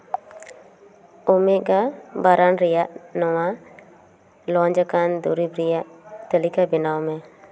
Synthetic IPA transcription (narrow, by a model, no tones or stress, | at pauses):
omeʔɡabaɾʔanɾɪjaʔnɔwa | lɔnd͡ʒəkand̪uɾibɾijaʔt̪əlikabɪnawmɛ̃